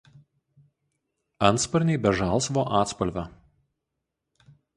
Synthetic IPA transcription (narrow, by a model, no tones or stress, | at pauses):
ɐnt̪spɐɾʲnʲɛɪbʲɛʒɑˑlˠˑsʋoːʔɑːt̪spɐlʲʋʲɛ